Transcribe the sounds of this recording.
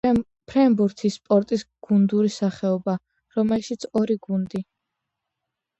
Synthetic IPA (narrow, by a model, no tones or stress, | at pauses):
pʰɾɛmbuɾt̪ʰispʼɔɾt̪ʼisɡ̥und̪uɾisaχɛɔba | ɾɔmɛlʃit̪sʰɔɾiɡund̪i